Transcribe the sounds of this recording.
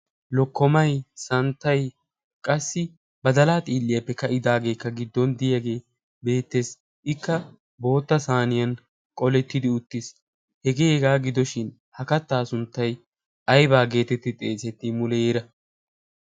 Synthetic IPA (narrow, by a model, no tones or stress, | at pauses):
lɔkːɔmɐjsɐnt̪ːɐj | kʼɐsːɪ | bɐd̪ɐlaːt̪ʼiːlːɪjɐpːɛkɐʔɪd̪aːɡe̞ːkːɐɡɪd̪ːɔnd̪ɪjɐɡe̞ː | be̞ːt̪ːes | ʔɪkːɐ | bo̞ːt̪ːɐsaːnɪjɐn | kʼɔlɛt̪ːɪd̪ɪʊt̪ːɪs | hɛɡeːɡaːɡɪd̪ɔʃɪn | hɐkɐt̪ːaːsʊnt̪ːɐj | ʔɐjbaːɡe̞ːt̪ɛt̪ːɪt̪ʼeːsɛt̪ːɪmʊlɛjeːɾɐ